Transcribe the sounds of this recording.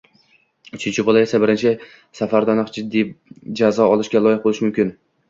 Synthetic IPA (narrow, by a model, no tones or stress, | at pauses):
ʊt͡ʃʰɪnt͡ʃʰɪbɒlˠaesabɪɾɪnt͡ʃʰɪ | safaɾd̪ɒnɨqd͡ʒɪd̪ːid͡ʒazɒɒlˠɪʃɡʲalˠɒjɪχ̚bolˠɪʃmʊmkʲɪn